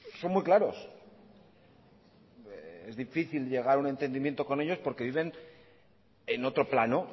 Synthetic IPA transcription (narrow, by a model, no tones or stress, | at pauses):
so̞nmujklaɾo̞s | e̞zðifiθilʎe̞ɣ̞aɾune̞nt̪end̪imje̞nt̪o̞ko̞ne̞ʎo̞spo̞ɾke̞βiβ̞e̞n | eno̞t̪ɾo̞plano